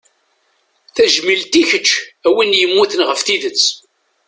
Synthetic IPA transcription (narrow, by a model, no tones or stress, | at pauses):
θæʒmilt̪içət͡ʃːæwinjəmːuθənʁəfθiðət͡sː